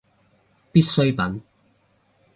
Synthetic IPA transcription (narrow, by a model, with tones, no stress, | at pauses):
pi˥t̚sɵ˥ɥpɐ˨˥n